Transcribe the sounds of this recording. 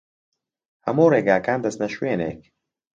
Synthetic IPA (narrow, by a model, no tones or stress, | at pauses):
hɐmuːreːɡaːkaːnd̪ɐst̪nɐʃweːnḛːk̚